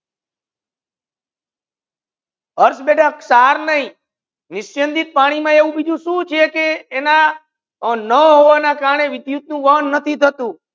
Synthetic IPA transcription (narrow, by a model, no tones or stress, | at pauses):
əɾsbeʈʰəksaɾnəɦĩ | nɪsjənd̪it̪̚paɽ̃imãeʋũbid͡ʒ̪ʱũʃũt͡ʃʰekeːna | nəɦoʋanakaɾɳeʋɪd̪jut̪̚nũʋəɦnːət̪ʰit̪ʰət̪ũ